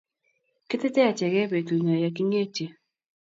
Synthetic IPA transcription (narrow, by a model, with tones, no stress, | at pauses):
kɪ˦tɪ˦tɛ˦a˨t͡ʃɛ˨ɣɛ˦be˨tu˨na˨ja˨k̬i˦ɲe˦˨t͡ʃe˨